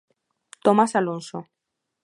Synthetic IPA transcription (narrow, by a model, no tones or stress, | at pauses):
t̪omasalõnso